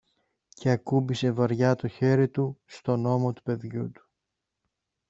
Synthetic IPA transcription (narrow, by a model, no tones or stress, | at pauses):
cʰe̞ɐkubise̞vɐɾʝɐt̪o̞çe̞ɾit̪ust̪o̞no̞mo̞t̪u̥pe̞ðʝut̪u̥